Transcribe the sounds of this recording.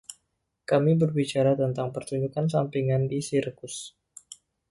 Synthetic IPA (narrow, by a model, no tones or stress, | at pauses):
kamibərbit͡ʃaɾat̪ənt̪aŋpərt̪uɲd͡ʒukansampiŋandisirkʊs